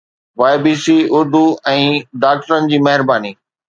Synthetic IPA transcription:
ʋaːɪbiːsiʊɾd̪uɛ̃ːɖaːk̚ʈəɾənɪ̆d͡ʑiːmɐɦɪɾbaːniː

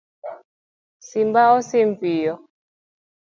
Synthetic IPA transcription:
simbaɔsiɱvijɔ

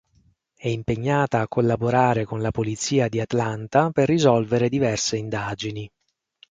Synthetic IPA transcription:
ɛimpeɲːaːt̪aːkːolːaboɾaːɾekonlapolit̪siːad̪iat̪lant̪aperːizɔlveɾed̪ivɛrseind̪aːd͡ʒini

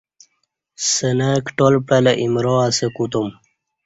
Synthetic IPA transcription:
sənakʈolpɽeləʔimɾoasekut̪um

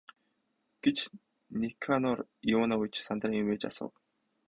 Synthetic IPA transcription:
ɡ̥et͡ɕ | nikʰanɔrjinaujt͡ɕsant̪rŋimeːt͡ɕa̰sʊ̰ːw

